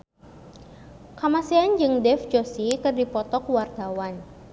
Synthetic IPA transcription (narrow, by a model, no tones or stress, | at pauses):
kamaseand͡ʒɨŋdɛfd͡ʒosikɨrdipɔt̪ɔkwart̪awan